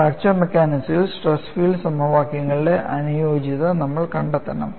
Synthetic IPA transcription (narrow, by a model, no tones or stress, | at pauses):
aːr̚t͡ɕɐrmekʲːaːnisilsʈresfiːɭɖɨsɐmɐʋaːkjɐŋːɐɭiɽe̞ʔɐnujo̞ːd͡ʑiðɐnɐmːɐɭkɐɳɖɐt̪ːɐnɐ̰m